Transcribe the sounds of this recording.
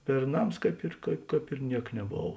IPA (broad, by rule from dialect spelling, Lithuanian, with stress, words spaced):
bʲɛrˈnɐms ˈkɐɪp ɪr ˈkɑːp ɪr ˈnʲiɛk nʲɛˈboːw